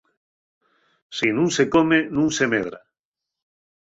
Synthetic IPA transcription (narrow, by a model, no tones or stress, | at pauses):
sinũŋsekomenũŋsemeð̞ɾa̰